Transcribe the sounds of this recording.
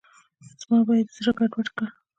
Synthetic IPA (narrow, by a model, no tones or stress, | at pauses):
z̥mɑbɑjad̪zɽaɡaɖwaʈkə